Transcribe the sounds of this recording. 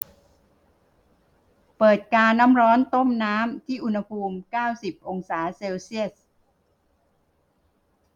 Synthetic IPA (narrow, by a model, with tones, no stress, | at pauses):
pɤː˨˩t̪̚kaː˧nːaː˦˥mɾɔː˦˥nt̪o˥˩mnaː˦˥mt̪ʰiː˥˩ʔu˧nha˧pʰuː˧mkaː˥˩wsi˨˩p̚ʔo˧ŋsaː˩˦se˧wsi˥˩ə